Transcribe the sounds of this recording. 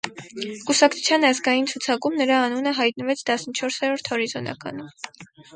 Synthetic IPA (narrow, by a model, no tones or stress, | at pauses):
kusɑkʰt͡sʰu̥t͡sʰjɑnɑzɡɑjint͡sʰut͡sʰɑkumnəɾɑːnunəɦɑjt̪̚nəvɛt͡sʰt̪ɑsnət͡ʃʰɔɾshɛɾɔɾt̪ʰhɔɾizɔnʔɑ̰kɑ̰num